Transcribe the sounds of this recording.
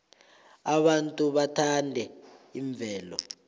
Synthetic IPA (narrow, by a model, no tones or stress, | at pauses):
aɓantʼuɓatʰandʱɛiɱb̪vʱɛːlɔ̰